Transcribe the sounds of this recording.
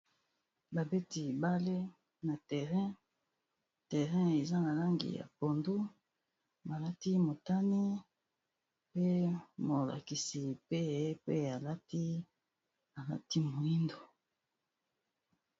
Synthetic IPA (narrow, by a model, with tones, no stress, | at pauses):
ba˨be˦ti˨ba˦le˦ | na˨tɛ˨ʁɛ̃˦ | tɛ˨ʁɛ̃˦e˨za˦na˨la˦ŋɡḭ˨ja̰˨po˨ndu˦ | ma˨la˦ti˦mo˨ta˦ni˦ | pe˦mo˨la̰˨ki˨si˨pe˦˨˦pe˦a˨la˦ti˦ | a˨la̰˦ti˦mo˨i˦ndo˨